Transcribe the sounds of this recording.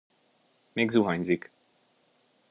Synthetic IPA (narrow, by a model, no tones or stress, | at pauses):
meːɡzuɦɑɲzik